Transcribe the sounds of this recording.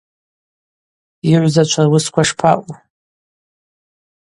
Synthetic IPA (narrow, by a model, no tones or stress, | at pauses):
iʕʷzat͡ʃʷʰarwʊskʷʰaʂpʰa̰ʔʷʼu